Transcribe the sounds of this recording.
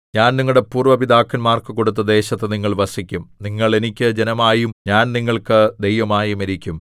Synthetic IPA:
ɲaːnniŋːuɽe̞puːrʋɐʋid̪aːkːɐnmaːrkɨko̞ɽut̪ːɐd̪e̞ːɕɐt̪ːeniŋːɐɭʋɐsikʲːumniŋːɐɭe̞nikʲːɨd͡ʑe̞nɐmaːjumɲaːnniŋːɐɭkɨd̪ejʋɐmaːjumeɾikʲːum

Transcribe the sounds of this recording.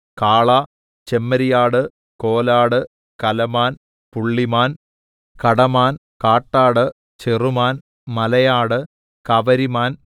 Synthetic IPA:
kaːɭɐ | t͡ɕemːɐɾijaːɽɨ | koːlaːɽɨ | kɐlɐmaːn | puɭːimaːn | kɐɽɐmaːn | kaːʈːaːɽɨ | t͡ɕerumaːn | mɐlɐjaːɽɨ | kɐʋɐɾimaːn

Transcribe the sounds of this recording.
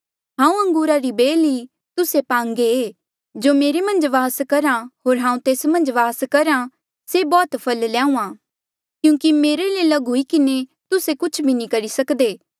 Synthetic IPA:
ɦãːũɐ̃ŋɡuːɾaɾibeːli | t̪ʊsepãːŋɡeeː | d͡ʒoːmeːɾemɐ̃nd͡ʒʋaːskɐɾãɦoːɾɦãːũt̪eːsmɐ̃nd͡ʒʋaːskɐɾã | sebɔːt̪pʰɐllãːũãː | kjũːkimeːɾeleːlaɡʊikɪnet̪ʊsekʊt͡ʃʰbʱinĩkɐɾisɐkd̪eː

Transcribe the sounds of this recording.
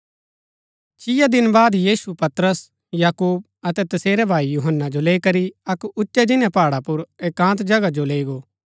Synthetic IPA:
t͡ʃɪjad̪ɪnbaːd̪jiːsupɐt̪ɾəs | jaːkuːb̚ | ɐt̪ɛt̪ɐseːɾɛbʱaːijuɦənːad͡ʒoleːkɐɾiɐkʊtːʃɛd͡ʒɪnjɛ̃paːɽapʊɾeːkãːt̪d͡ʒɐɡad͡ʒoleːɡoː

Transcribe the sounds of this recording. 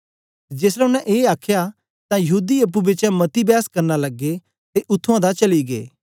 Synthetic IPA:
d͡ʒeːsɾɛʊnɛ̃ʔeːaːkʰja | t̪ãjɐɦuːd̪iɐp̬ːubɪt͡ʃɛ̃mɐt̪ibjaːskɐɾnalɐɡːe | t̪eʔʊt̪ʰːʊãd̪at͡ʃɐliɡḛː

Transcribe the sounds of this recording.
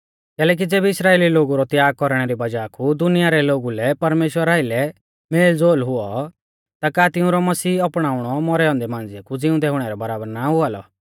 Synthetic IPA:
kɛːlɛːk̬id͡zeːbɪsɾaːeːliloːɡuɾɔt̪jaːɡ̚kɔɾɽ̃ɛɾibɐd͡ʒaːkʰud̪ʊnɪjaɾɛloːɡulɛpɐɾmeːʃwəɾaːɪlɛ | meːld͡zoːlɦʊɔ | t̪akaːt̪ɪʊ̃ɾɔmɐsiːɔpɽ̃aːʊɽ̃ɔmɔɾɛɔ̃ːnd̪ɛmãːnd͡zɪakud͡zɪʊ̃d̪ɛɦʊɽ̃ɛɾɛbɐɾaːbəɾnaɦʊalɔ̰

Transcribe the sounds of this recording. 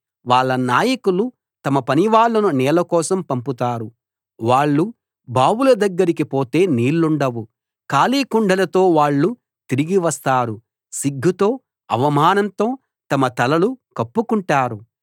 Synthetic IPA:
ʋaːɭːɐnaːjɐkulu | t̪ɐmɐpɐniʋaːɭːɐnunɛːlɐkɔːsɐmpɐmput̪aːɾu | ʋaːɭːu | baːwulɐd̪ɐɡːɐɾikipoːt̪e̞ːniːlːuɳɖɐʋu | kaːliːkuɳɖɐlɐt̪o̞ːʋaːɭːu | t̪iɾiɡiʋɐst̪aːɾu | siɡʱːut̪o̞ː | ɐʋɐmaːnɐnt̪o̞ː | t̪ɐmɐt̪ɐlɐlukɐpːukuɳʈaːɾu

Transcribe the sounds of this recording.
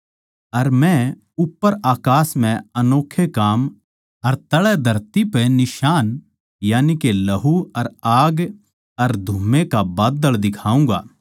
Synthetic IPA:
ɐɾmɛ̃ | ʊpːəɾaːkaːsmɛ̃ɐnoːkʰːekaːm | ɐɾt̪ɐɭɛd̪ʱɐɾt̪ipɛnɪʃaːn | jaːnikelɐɦuɐɾaːɡ | ɐɾd̪ʱuːmekabaːd̪əld̪ɪkʰaːũːɡa̰ː

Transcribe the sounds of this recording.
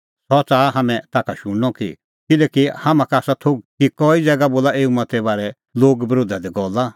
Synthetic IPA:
sɔt͡saːɦamɛ̃t̪aːkʰaʃʊ̃ɽɔkḭ | kɪlɛːkihamãkaːsat̪ʰoɡ̚kikɔːid͡zɛːɡaboːlaeːumɐt̪ɛbaːɾɛ | loːɡbɾoːd̪ʱad̪ɛɡɔːla

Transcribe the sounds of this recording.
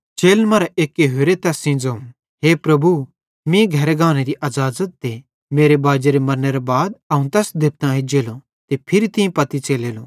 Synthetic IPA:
t͡ʃeːlmɐɾeʔeːkeɦoːɾet̪ɛsɪ̃ːd͡zoũ | ɦeːpɾɐbʱu | mĩɡʱɐɾeɡãːñeɾiʔɐzaːzət̪̚d̪e | meːɾebaːd͡ʒeɾemɐɾneɾebaːd̪ɐũt̪ɛsd̪ɪp̚t̪ãed͡ʒeːlo | t̪epʰɪɾit̪ɪĩpɐt̪it͡ʃeːleːlo

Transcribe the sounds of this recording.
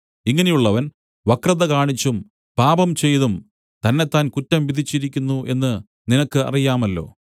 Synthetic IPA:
iŋːɐne̞juɭːɐʋɐn | ʋɐkrɐðɐkaːɳit͡ɕːum | paːbɐmt͡ɕe̞jðum | t̪ɐnːe̞t̪ːaːnkutːɐmʋid̪ʱit͡ɕːiɾikʲːunːuʔe̞nːɨ | ninɐkːɨɐ̰rijaːmɐlːo̞̰ː

